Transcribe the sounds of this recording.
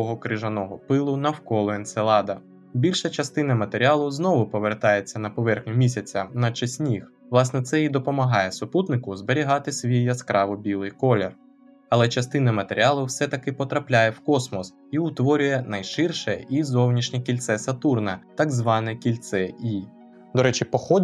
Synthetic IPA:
ɔɦɔkɾɪʒɐnɔɦɔpɪlˠʊnɐwkɔlˠɔenselˠɑd̪ɐ | bʲilʲʃɐt͡ʃɐst̪ɪnɐmɐt̪eɾʲiɑlˠʊznɔʋʊpɔʋert̪ɑjet͡sʲːɐnɐpɔʋɛrxnʲʊmʲisʲɐt͡sʲɐnɐt͡ʃɐsʲnʲix | ʋlˠɑsnɛt̪sɛid̪ɔpɔmɐɦɑjɛsɔput̪nɪkʊzbeɾʲiɦɑt̪ɪsʲʋʲijːɐskɾʔɑʋɔbʲilˠɪjkɔlʲer | ɐlˠɛt͡ʃɐst̪ɪnɐmɐt̪eɾʲiɑlˠʊwsɛt̪ɐkɪpɔt̪ɾɐplʲajɛwkɔsmɔs | iʊt̪ʋɔɾʲʊjɛnɐjʃɪrʃɛizɔwnʲiʃnʲikʲilʲt̪sɛsɐt̪urnɐt̪ɐɡzʋɑnɛkʲilʲt̪sɛi | d̪ɔɾɛt͡ʃɪpɔxɔ

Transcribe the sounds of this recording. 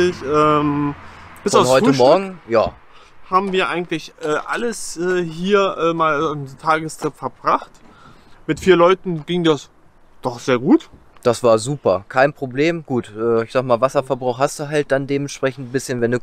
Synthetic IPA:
ɪçʔɛːm | b̥ɪsaʊhɔʏtəmɔɐɡŋ̩ja̰ː | haːbm̩viːɐʔaɪɡŋ̩tlɪçʔɛːʔa̰ləsʔɛːhiːɐʔɛːmaːlntʰaːɡəstʁ̥ɪpfɛɐbʁaχt | mɪtfiːɐlɔʏtn̩ɡɪŋdas | d̥ɔχz̥eːɐɡuːt | d̥asv̥aːɐzuːpɐkʰaɪnpʁ̥obleːmɡ̥uːtʔɛːɪçzaːɡmaːlvasɐfɛɐbʁaʊxhast̚d̥uːɦalt̚d̥andeːmɛnʃpʁ̥ɛçn̩tbɪsçənvɛnduː

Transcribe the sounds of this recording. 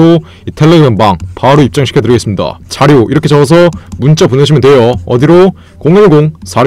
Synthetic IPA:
o | itʰeɭːeʌnmaŋpaɯɾoip̚t͡ɕ͈aŋɕʰi̥kʰetɯɾiɡe̞s͈ɯmɲida̰t͡ɕaɾjoiɾʌkʰet͡ɕʌʌs̬ʰʌmunt͡ɕ͈apuneɕʰimjʌntwe̞jʌʌ̰diɾo | koŋinɡoŋsʰaɾ

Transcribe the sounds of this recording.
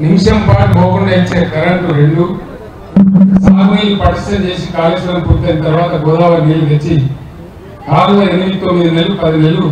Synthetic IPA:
nimʂɐmpaːʈboːɡuɳɖɐit͡ʃːeːɐkɐɾɐɳʈuɾeɳɖu | saːmɐjipɐʈɐsɐmt͡ʃe̞ːs̬ikaːleːsʋɐɾɐmpuːɾt̪enit̪ɐɾʋaːt̪ɐɡɔːd̪aːʋɐniːluʋet͡ʃːi | ɡaːɾulɐenːimiit̪omːid̪inɐlːupɐd̪inelːu

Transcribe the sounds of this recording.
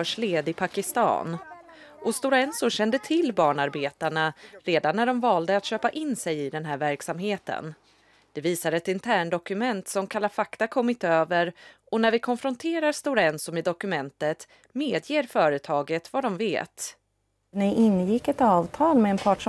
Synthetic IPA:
œːʂleːd̪ɪpʰakɪst̪ɑ̰ːn | ʔɔst̪ʊɾɛnsʊɕɛnd̪ət̪ʰɪlːbɑːɳaɾbeːt̪aɳaɾeːd̪anːæɖɔmvɑːld̪əat̪ɕøːpaʔɪnːsɛjɪd̪ɛnɦæːɾvæɾksamɦeːt̪ə̰n | d̪̥ɛviːsaɾɛt̪ɪnt̪ʰæːɳd̪ɔkɵmɛnt̪sɔmkʰalafakt̪akʰɔmːɪt̪øːvəɾʔɔnæɾvɪkʰɔnfɾɔnt̪ʰeːɾaɾst̪ʊɾɛnsʊmɪd̪ɔkɵmɛnt̪ət̪ | meːd̪jeːɾfœːɾət̪ʰɑːɡət̪vad̪ɔmvḛːt̪ | nɪɪnːjɪkːɛt̪ɑːvt̪ʰɑːlmɛɛnpʰɑːʈʂ

